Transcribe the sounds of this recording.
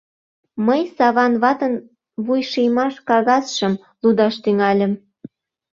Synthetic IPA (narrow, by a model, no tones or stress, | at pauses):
məjsɑβɑnβɑt̪ən | βujʃijmɑʃkɑɣɑsʃə̆m | lud̪ɑʃt̪yŋɑlʲə̆m